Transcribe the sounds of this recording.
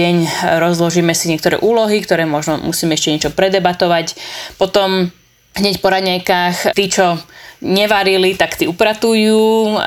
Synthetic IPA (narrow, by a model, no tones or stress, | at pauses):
ɛɲɾɔzlɔʒiːmɛsiɲɪɛk̚t̪ɔɾɛ̰ːʔuːlɔɦikt̪ɔɾɛːmɔʒnɔmusiːmɛɛʃcɛɲɛt͡ʃɔpɾɛd̪ɛbat̪ɔʋacpɔt̪ɔm | ɦɲɛcpɔɾadɲajkaːxt̪iːt͡ʃɔɲɛʋaɾilit̪akt̪iːupɾat̪ujuː